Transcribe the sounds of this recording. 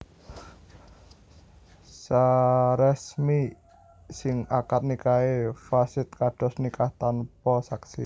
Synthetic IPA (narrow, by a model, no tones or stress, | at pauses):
saɾɛsmi | sɪŋakat̪̚nikaefasɪt̪̚kaɖ̥ɔ̤snikaht̪anpɔsaksi